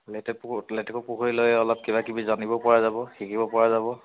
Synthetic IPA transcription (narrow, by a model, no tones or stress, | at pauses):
lɛtɛplɛtɛkʊpuxʰoɹilojɛɔlɔp̚kebakibizanibɔpɔɹazabɔxikibɔpɔɹazabɔ